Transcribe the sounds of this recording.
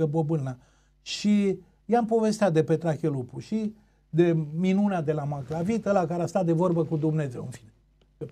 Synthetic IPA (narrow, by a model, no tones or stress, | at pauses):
əbobɨna | ʃi | jampo̞ve̞st̪at̪̚d̪e̞pe̞t̪ɾakelupuʃi | d̪e̞minunad̪e̞lamaklavit̪əlakaɾeast̪at̪d̪e̞vo̞rbəkud̪umne̞ze̞wɨnfi̥ne